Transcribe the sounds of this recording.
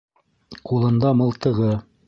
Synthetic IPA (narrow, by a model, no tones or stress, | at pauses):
qulˠɤ̆nd̪ɑmɤ̆lˠt̪ɤ̆ʁɤ